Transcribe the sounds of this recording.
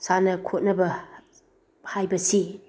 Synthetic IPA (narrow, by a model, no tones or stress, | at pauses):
sanɐkʰot̚nɐbɐ | hajbɐsi